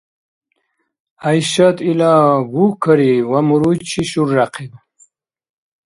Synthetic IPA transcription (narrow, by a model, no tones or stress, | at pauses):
ajɕat̪ilaɡukʰɐɾiwamuɾut͡ɕʰiɕuɾːaqʰid